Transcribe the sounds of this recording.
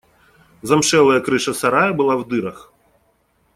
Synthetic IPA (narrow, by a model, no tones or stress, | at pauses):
zɐmʂɛlˠɐjɐkɾɨʂɐsaɾajɐbɨlˠawd̪ɨɾɐx